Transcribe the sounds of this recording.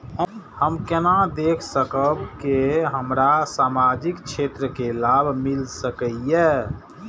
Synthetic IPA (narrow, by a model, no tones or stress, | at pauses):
həhəmkenad̪ekʰsəkəbkeɦəmɾasamad͡ʒikt͡ʃʰet̪ɾəkelabʱmilsəkəije